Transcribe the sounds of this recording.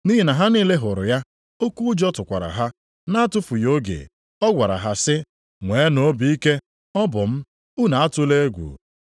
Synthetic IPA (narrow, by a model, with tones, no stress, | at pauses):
ni˦ɦi˨na˨ɦa˦niː˦le˦ɦʊ˨ɾʊ̰˨ja˦ | o˦ku˦d͡ʒɔ˦tʊ˨kʷa̰˨ɾa̰˨ɦa˦ | na˦a˦tʊ˦fu˨jo˦ɡḛ˨ | ɔ˦ɡʷa˨ɾa̰˨ɦa˦˨sɪ˦ | ŋʷe˨˦no˨˦bi˨˦i˦ke˦ | ɔ˦bʊ˨m̩˦ | u˦na˨a˦tʊ˦le˦ɡʷṵ˨